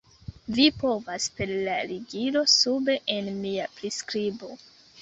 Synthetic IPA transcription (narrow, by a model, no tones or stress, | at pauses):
vipo̞vaspe̞ɾlaɾiɡilo̞sube̞ʔenmiapɾiskɾibo̞